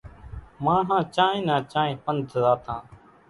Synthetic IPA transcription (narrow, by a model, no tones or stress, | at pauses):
mãːɦãːt͡ʃaːĩːnãːt͡ʃaːẽːpənd̪ʱzaːt̪ʰãː